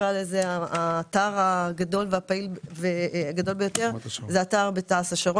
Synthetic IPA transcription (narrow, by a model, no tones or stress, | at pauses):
ʁalezeaaːtaʁaɡado̞lveapailveaɡado̞lbejo̞t̪e̞ʁzeataʁbet̪aasaʃaʁo